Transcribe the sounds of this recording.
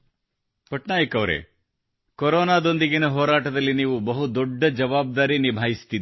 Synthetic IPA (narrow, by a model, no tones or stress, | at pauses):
kɔʈnaːjɐkɐʋɾḛ | koɾɔːnaːd̪o̞nd̪iɡinɐɦɔːɾaːʈɐd̪ɐlːiniːʋubɐɦud̪ɔɖːɐd͡ʒɐʋaːb̚d̪aːɾinibʱaːjist̪id̪i